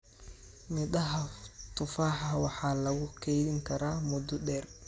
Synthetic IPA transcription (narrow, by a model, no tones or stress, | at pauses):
mɪd̪ɐɦɐt̪ʰʊfaːħwɑħɑːlɐɣʊkʰɛjðɪŋkʰɐɾaːmʊd̪ʊɖɛːr